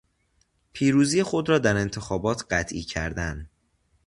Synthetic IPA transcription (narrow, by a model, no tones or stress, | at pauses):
pʰiːɾuːziːjexo̞d̪ɾɒːd̪æɾe̞nt̪ʰe̞xɒːbɒːt̪ʰɢæt̪ʰʔḭːcʰæ̰ɾd̪æn